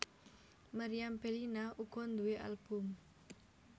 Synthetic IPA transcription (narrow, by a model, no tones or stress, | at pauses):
maɾiampelinaʔuɡ̥ɔnd̪ueʔa̰lb̥ʊm